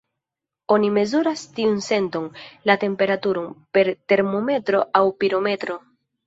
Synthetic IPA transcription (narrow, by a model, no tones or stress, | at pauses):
o̞nime̞zuɾastiunse̞ntoŋlate̞mpe̞ɾatuɾonpe̞ɾte̞ɾmo̞me̞tɾo̞ʔawpiɾo̞me̞tɾo̞